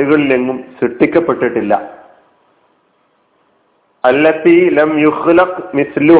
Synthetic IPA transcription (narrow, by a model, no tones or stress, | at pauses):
uɣɐɭileŋːumsiʈːikʲːɐpːe̞ʈːiʈːilːɐ̰ | ɐlːɐtiːlɐmjuxlɐqmiθlu